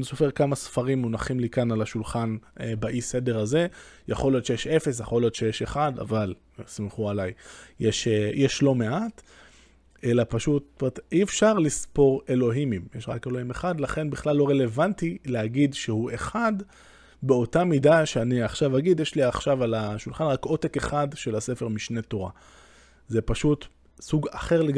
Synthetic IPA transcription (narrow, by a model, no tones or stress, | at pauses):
niso̞feʁkamasfaʁimːonaχimlikanalaʃulχanebaʔise̞de̞ʁaze̞jaχo̞lijo̞t̪ʃe̞jeʃe̞fes̬jaχo̞ljot̪ʃejeʃeχada̰val | smeχualajjeʃejʔeʃlome̞at | e̞lapaʃuttomet̪iefʃaʁlispo̞ʁe̞lo̞ɦimimjeʃʁa̰ke̞lo̞hime̞χad̪laχe̞nbiχlalːo̞ʁe̞le̞vantileaɡidʃehuʔe̞χad̪ | beo̞tamidaʃeaniaχʃavaɡid̪jeʃliaχʃavalaʃulχanʁakʔo̞teke̞χadʃelase̞feʁmiʃne̞to̞ʁa̰ | zepaʃut | suɡaχe̞ʁleɡ